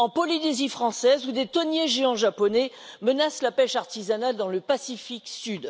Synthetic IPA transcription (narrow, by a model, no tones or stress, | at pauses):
ɑ̃pɔlinezifχɑ̃sɛzud̪et̪ɔnjeʒeɑ̃ʒapɔnɛ | mənaslapɛʃaʁt̪izanald̪ɑ̃ləpasifiksyd̪